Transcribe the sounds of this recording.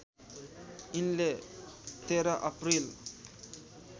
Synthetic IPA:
inle | t̪eɾaʔʌpɾil

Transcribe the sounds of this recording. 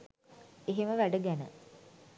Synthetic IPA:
eɦeməʋæɖəɡænə̰

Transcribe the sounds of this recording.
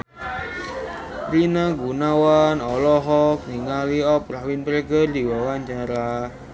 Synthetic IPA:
ɾinaɡunawanɔlɔɦɔk̚niŋaliɔpɾawinpɾeɡərd̪i̤wɔwaɲt͡ʃaɾa

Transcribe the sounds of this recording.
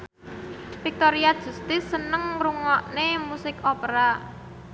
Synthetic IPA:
fik̚t̪oɾiad̥ʒ̥ṳst̪ɪsːənəŋruŋɔʔnemusɪkopɾa

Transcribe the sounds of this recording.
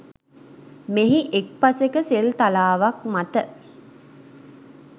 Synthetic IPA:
meɦiʔek̚pasekəselt̪alaːʋak̚mat̪ə

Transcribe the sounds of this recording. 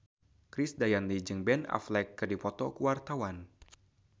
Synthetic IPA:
kɾɪsdajanlid͡ʒɨŋbɛna̰flɛkːɨrdipɔt̪ɔkuwart̪awan

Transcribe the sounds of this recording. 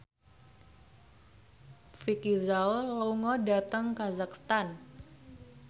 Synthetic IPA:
fikizallouŋɔdat̪əŋkazakst̪an

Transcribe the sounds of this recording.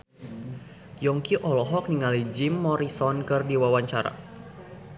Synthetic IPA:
jɔŋkiʔɔlɔɦɔk̚niŋalid͡ʒimːɔɾisɔnkɨrdiwawaɲt͡ʃaɾa̰

